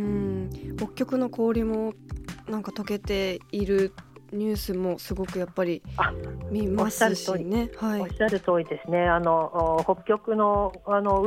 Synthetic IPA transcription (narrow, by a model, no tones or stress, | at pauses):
ɯ̃ɴhokʲːo̞kɯ̟no̞kʰo̞ːɾʲimo̞nãŋkat̪o̞ke̞t̪e̞iɾɯ̟ɲ̟ɨːsɨmo̞sɨɡo̞kɯ̟japːaɾʲiamʲimaɯone̞haiɕaɾɯ̟t̪oːid̪e̞sɨne̞anoho̞kʲo̞kɯ̟no̞ano